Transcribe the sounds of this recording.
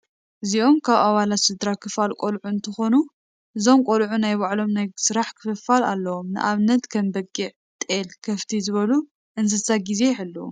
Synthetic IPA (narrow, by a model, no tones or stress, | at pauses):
ʔɨziʔo̞mkʰaβaβalat̪sɨd̪ɾakʰɨfalkʷʼolʕuɨnt̪ʰɐxo̞nu | ʔɨzo̞mkʼolʕunajβaʕlo̞mnajsɨɾaħkʰɨ̥fɨfːalalːɐwo̞mnɨ̰ʔaβnɐt̪kʰɐmbɐɡʼiʕ | t̪ʼelkʰɐft̪ʰizɨβɐlu | ʔɨnzɨsaɡize̞jħɨlːɐṵ